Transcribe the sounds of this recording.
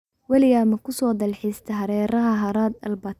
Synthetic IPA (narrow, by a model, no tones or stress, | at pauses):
wɐlɪjamɐkʊsɔːd̪ɑlħiːst̪ʰɐɦɐɾɛːɾɐɦɐɦɐɾɑːd̪ɐ̰lbɑt̪